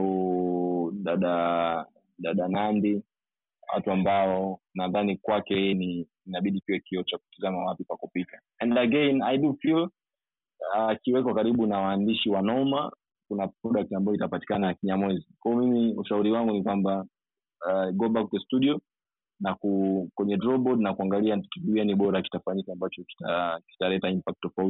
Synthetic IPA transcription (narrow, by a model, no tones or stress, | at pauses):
ɗaɗa | ɗaɗanandi | wa̰tuambaɔnaðanikwakɛhiːni | inaɓiɗikiwɛkiɔt͡ʃaku̥tizamawapipakupita | ɛnlaɡɛnaiɗufil | akiwɛkɔkaɾiɓunawaːndiʃiwanɔɔma | kunapɾɔɗak̚tambajɔitapati̥kananakiɲamwɛzikwaɔmimiuʃauɾiwaŋɡunikwamba | ɡɔɓak̚tɛstuɗiɔ | nakukwɛɲɛdɾɔɓɔdnakuaŋɡaliakiɗuɛniɓɔɾaki̥tafaɲikambat͡ʃɔki̥taki̥talɛtaimpak̚tːɔfauti